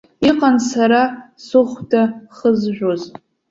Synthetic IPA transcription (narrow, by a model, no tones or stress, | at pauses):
iqʼansaɾasʊχʷdʰaχəzʒᶣoz